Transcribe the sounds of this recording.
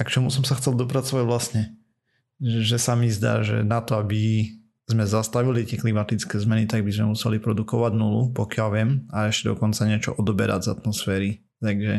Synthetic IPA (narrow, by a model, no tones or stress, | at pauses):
akt͡ʃɔmusɔmsaxt͡sɛlˠd̪ɔp̬ɾat͡sɔʋaɟʋlasɲɛ | ʒɛsamizd̪a̰ːʒɛ̰nat̪ɔabi | zmɛzast̪aʋilit̪ɪɛklimat̪it͡skɛːzmɛnit̪aɡ̚bizmɛmusɛlipɾɔd̪ukɔʋaɟnulupɔkɪalʋɪɛmaɛʃcɛd̪ɔ̰kɔnt͡saɲɪɛt͡ʃɔ̰ʔɔd̪ɔbɛ̰ɾa̰ɟza̰t̪mɔsfɛːɾi | t̪aɡʒɛ